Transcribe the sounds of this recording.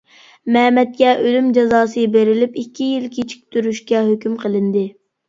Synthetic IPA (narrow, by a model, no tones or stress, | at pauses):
mɛːmɛt̪̚kʲɛʔølymd͡ʒɑzɑːsɨbeɾɪlypikʲːijilkʲʰet͡ʃʰi̥k̚ʲt̪ʰyɾyʃkʲɛɦøkʲymqʰəlˠɨnd̪ɨ